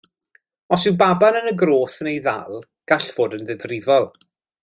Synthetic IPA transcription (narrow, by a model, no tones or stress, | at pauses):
ɔsɪwbabanənəɡroːθənejða̰lˠ | ɡ̥aɬv̥oːdənðɪvrɪvɔlˠ